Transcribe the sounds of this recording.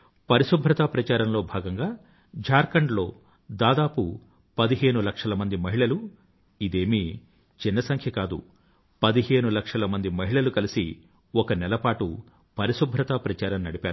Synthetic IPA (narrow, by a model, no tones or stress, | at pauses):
pɐɾisubʱɾɐt̪apɾɐt͡ʃaːɾɐmlo̞ːbʱaːɡɐŋɡaː | d͡ʒʱaːɾkɐɳɖlo̞ː | d̪aːd̪aːpu | pɐd̪iɦe̞ːnulɐkʂɐlɐmɐnd̪imɐɦiɭɐlu | id̪e̞ːmi | t͡ʃinːɐsɐŋkʰjɐkaːd̪ṵ | pɐd̪iɦeːnulɐkʂɐlɐmɐnd̪imɐɦiɭɐlukɐlisḭ | ɔkɐnɛlɐpaːʈu | pɐɾisubʱɾɐt̪apɾɐt͡ʃaːɾɐmnɐɽipaːɾu